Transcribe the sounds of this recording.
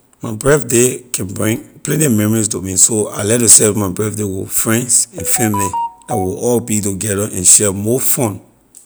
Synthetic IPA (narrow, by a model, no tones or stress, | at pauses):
maɪbɹɛθdekʰɛ̃nbɹĩŋplɛ̃ntimɛ̃mɔɹistomĩsoa̰ɪlɛtjɔsɛfmaɪbɹɛθdewɪfɹɛ̃nsɛ̃nfɛ̃mliawilɔlbituɡɛdəʔɛ̃nʃɛmɔfɔ̃n